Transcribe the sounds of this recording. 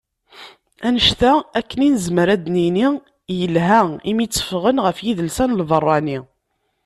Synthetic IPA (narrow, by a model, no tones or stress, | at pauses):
ænəʃt̪æækːəninəzməɾæd̪nini | jəlɦæimit͡sːə̥fʁənʁəfjiðəlsænlvərˤːɑni